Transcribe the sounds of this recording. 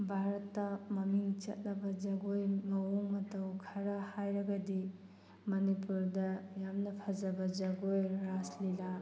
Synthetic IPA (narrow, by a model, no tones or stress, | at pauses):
bʱaɾɐtːɐmɐmiŋt͡ʃɐ̰t̚nɐbɐd͡ʒɐɡojŋɐwmɐtɐwkʰɐɾahajɾɐɡɐdi | mɐnipuɾdɐjamnɐpʰɐzɐbɐd͡ʒɐɡojɾaslila